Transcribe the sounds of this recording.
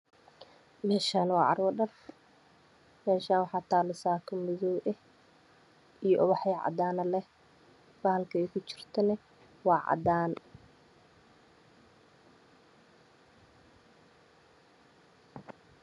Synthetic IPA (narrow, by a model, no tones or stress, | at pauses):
mɛːʃaːnwɑ̰ːʕɑ̰rwɐɖɐr | mɛːʃaːnwɑħɑːt̪ʰaːlɪsaːkʰɐmɪðɔwʔɛ | ijɔʔɔβɑħjɛʕɑ̰d̪aːnɐlɛ | b̥ahlkʰɐɛjkʰʊt͡ʃɪ̥rt̪ʰɐnɛ | wɑːʕɑ̰d̪aːn